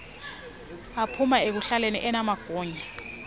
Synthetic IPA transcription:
apʰumaek̬uɬalenḭʔɛnamaɡ̥ʱɔːɲa

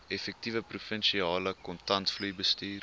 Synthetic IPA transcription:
ɛfɛk̚tivəprufənʃiɑːləkɔntɐntflujbəstiːr

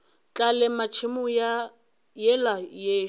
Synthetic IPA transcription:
t͡ɬʼalɛmat͡ʃʰimʊj | jɛlajeː

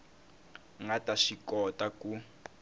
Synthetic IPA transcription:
ŋɡataʃikɔtʼaku

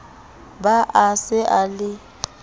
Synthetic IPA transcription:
baʔasɪʔalɪ

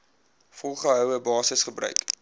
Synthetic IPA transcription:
fɔlˠχəɦœwəbɑːsəsχəbrœ̰ɥk

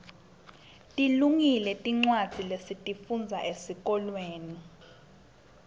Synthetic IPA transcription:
tʼiluŋilɛtʼiŋ͡ǀwad̥z̥ʱilesitʼifund͡zʱaʔesik̬ʼɔlweːni

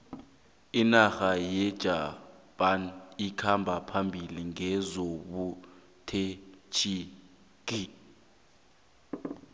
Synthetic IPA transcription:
inaxajɛd̥ʒ̥ʱapʼanikʰambʱapʰambʱiliŋɛzoɓu | tʰɛt͡ʃʰi | ɡ̥ʱi

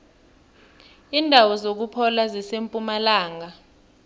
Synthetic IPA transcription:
indʱawɔzok̬upʰɔlazisempʼumalaːŋa

